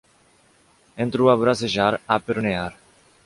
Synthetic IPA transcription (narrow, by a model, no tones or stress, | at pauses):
ent̪ɾuaβɾaseʒaɾapeɾoneaɾ